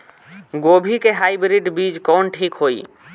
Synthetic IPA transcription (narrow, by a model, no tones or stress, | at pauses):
ɡobʱikeɦaibɾiɖbid͡ʒkɔːnʈʰikɦoi